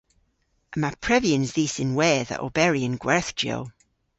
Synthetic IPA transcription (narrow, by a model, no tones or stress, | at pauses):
əmapʰɹ̥ɛviə̃nzðiːsɪ̃nwɛːðə̰ʔo̰bɛɹiə̃nɡ̥wɛɹθd͡ʒ̥o̰ʊ